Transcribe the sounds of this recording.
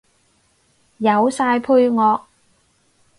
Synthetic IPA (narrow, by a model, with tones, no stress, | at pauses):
jɐ˨˧wsaː˧jpʰu˧jŋɔː˨˧k̚